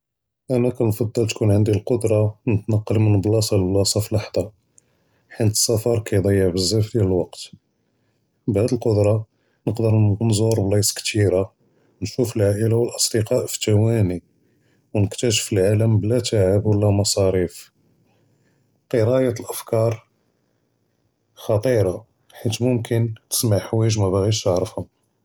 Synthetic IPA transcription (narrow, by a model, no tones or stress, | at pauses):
ʔænækænfɑd̪ˤːɑlt̪kunʕənd̪ilqod̪ɾˤɑnət̪nɑqːɑlmənblɑsˤɑlblɑsˤɑfilɑħd̪ˤɑ | ħint̪ə̥sˤːæfɑɾˤkæjd̪ˤɑjːəʕbəzːæfd̪jæləlwɑqt̪ | bhæd̪əlqʊd̪ɾˤɑ | nəqd̪əɾnzoɾˤbliskt̪iɾa | nʃufəlʕaʔəlawəlʔɑsˤd̪əqɑʔfi̥t̪æwæni | wnəkt̪æʃə̥fəlʕaləmblæt̪aʕəbwəlːæmɑsˤɑɾif | qəɾɑjæt̪əlʔəfkɑɾˤ | xɑt̪ˤiɾˤɑ | ħit̪mʊmkʰənt̪ə̥smaʕħwæʒmæbaɣit̪ʃt̪əʕɾəfhʊm